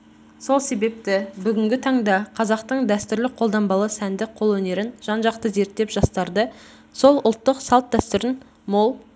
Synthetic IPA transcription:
so̞lˠse̞be̞p̚t̪ɪbʏɡʲɪŋɡʲɪt̪ʰɑɴd̪ɑqʰɑzɑqt̪əɴd̪æst̪ʏɾlɪqʰo̞lˠd̪ɑmbɑlˠəsænd̪ɪqʰo̞lˠwɵne̞ɾɪnʒ̥ɑnʒɑqt̪əze̞ɾt̪ːe̞pʒ̥ɑst̪ɑɾd̪ə | so̞lˠʊlˠt̪ːəqsɑlˠt̪̚d̪æst̪ʏɾɪn | mo̞lˠ

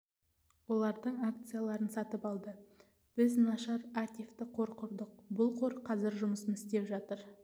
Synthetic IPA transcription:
wo̞lˠɑɾd̪əɴak̚t̪sɨjalˠɑɾənsɑt̪əpɑlˠd̪ə | b̥ɪznɑʃɑɾakt̪ʲijft̪ɪqʰo̞ɾqʰʊɾd̪əq̚bʊlˠqʰo̞ɾqʰɑzɪɾʒʊməsənɪst̪e̞pʒɑt̪əɾ

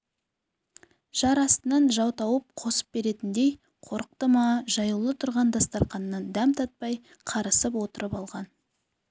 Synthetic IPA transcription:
ʒ̥ɑɾɑst̪ənɑnʒɑwt̪ɑwəp̚qʰo̞sə̥p̚be̞ɾe̞t̪ɪnd̪ej | qʰo̞ɾəq̚t̪əmɑʒɑjəlˠət̪ʰʊɾʁɑnd̪ɑst̪ɑɾqɑnːɑnd̪æmt̪ʰɑt̪̚pɑj | qʰɑɾəsəpwo̞t̪əɾəpɑlˠʁɑn

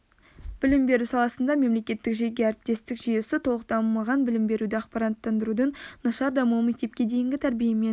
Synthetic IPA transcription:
b̥ɪlɪmbe̞ɾusɑlˠɑsənd̪ɑme̞mle̞kʲe̞t̪ːɪkʒe̞ɡʲe̞æɾɪp̚t̪e̞st̪ɪkʒyje̞sɪt̪ʰo̞lˠəq̚t̪ɑmɑʁɑnbɪlɪmbe̞ɾud̪ɪɑqpɑɾant̪ːɑnd̪əɾud̪ənnɑʃɑɾd̪ɑmuwmek̚t̪e̞p̚kʲe̞d̪e̞jɪŋɡʲɪt̪ʰæɾbijemen

